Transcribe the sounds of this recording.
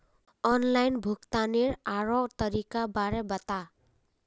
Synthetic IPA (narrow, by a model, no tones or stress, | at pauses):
ɔnlajnbʱukt̪aneɾaɾot̪ʌɾikabaɾebʌt̪a